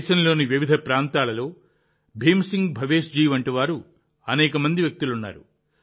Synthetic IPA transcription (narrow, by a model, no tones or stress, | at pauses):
ʃɐnɐlo̞ːniʋiʋid̪ʱɐpɾaːnt̪aːlɐlo̞ː | bʱeːmsiŋɡbʱɐʋe̞ːʂd͡ʒiːʋɐɳʈiʋaːɾu | ɐnɛːkɐmɐnd̪iʋjɐk̚t̪ulunːa̰ːɾu